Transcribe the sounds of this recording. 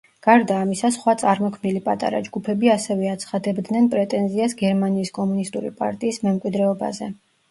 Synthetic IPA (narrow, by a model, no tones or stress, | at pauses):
ɡ̥aɾd̪aːmisasχwat̪sʼaɾmɔkʰmnilipʼat̪ʼa̰ɾa̰d͡ʒɡupʰɛbiasɛvɛat̪sʰχad̪ɛbd̪nɛnpʼɾɛt̪ʼɛnziasɡɛɾmaniːskʼɔmunist̪ʼuɾḭpʼa̰ɾt̪ʼiːsmɛmkʼwid̪ɾɛɔba̰zɛ